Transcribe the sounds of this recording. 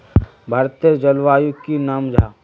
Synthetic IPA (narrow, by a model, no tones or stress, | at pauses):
bʱaːɾt̪iəd͡ʒɐlʋaːjukinaːmd͡ʒʱaː